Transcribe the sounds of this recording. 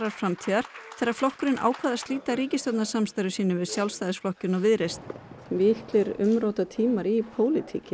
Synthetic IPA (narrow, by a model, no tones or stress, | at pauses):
ɾaɾ̥fɾamt̪ʰiːðaɾ̥θɛɾːaɾflɔhkʏɾɪnʔa̰ːwkʰvaːðast̪liːt̪aɾiːcɪst̪ɔt̪nḁsamst̪ajɾʏsiːnʏmvɪðsjawlst̪ajðɪsflɔhcʏnawvɪðɾest̪mɪhklɪɾʏ̰mɾowt̪at̪ʰiːmaɾipʰoːwlɪt̪ʰḭːcɪ